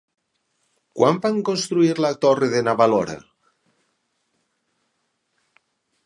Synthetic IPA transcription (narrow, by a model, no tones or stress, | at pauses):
kwambaŋkonst̪ɾuiɾlat̪oreðenaβaloɾa̰